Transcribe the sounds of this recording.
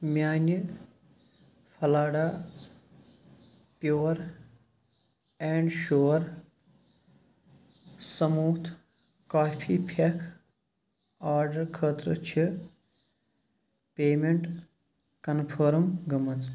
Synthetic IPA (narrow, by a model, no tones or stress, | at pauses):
mjaːnjə | pʰɐlaːɽaː | pjoːɾ | eːɳɖʃoːɾ | sɐmuːt̪ʰ | kaːpʰiːpʰekʰ | aːɾɖɐɾkʰəːt̪ɾə̰t͡ʃʰi | peːmeɳʈ | kɐnpʰəːɾmɡɐmɐt͡s